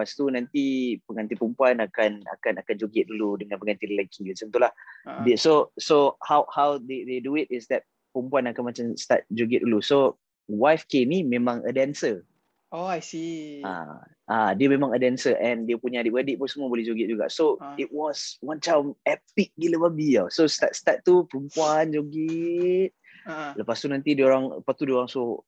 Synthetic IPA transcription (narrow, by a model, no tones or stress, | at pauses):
past̪unãnt̪ipəŋant̪ipəmpuanakana̰kanakand͡ʒoɡɪt̪̚duludəŋãnpəŋãnt̪illəkʰit̪əsənt̪ulahdisosohawhawd̪ed̪eduit̪̚ɪsd̪ɛt̪̚ | pəmpuanakanmat͡ʃamst̪a̰t̪̚d͡ʒoɡɪt̪̚duluso | wajfkenimẽmãŋʔə̰dɛnsə | oajsia̰ | ʔadiəmẽmãŋədɛnsəʔɛ̃ndiəpuɲadiʔ̚adiʔ̚punsəmuəbolɛhd͡ʒoɡɛt̪̚d͡ʒuɡa̰ʔsoit̚wɔswantamɛp̚ik̚ɡiləbabiasost̪atst̪at̪̚t̪ːupəɾumpuand͡ʒoɡit̪̚ | ləpast̪unãnt̪idioɾaŋəpat̪udioɾaŋso